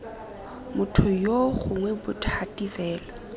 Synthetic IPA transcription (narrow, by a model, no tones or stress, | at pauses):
mʊtʰʊjoɣʊŋwɛbʊtʰatʼivɛːla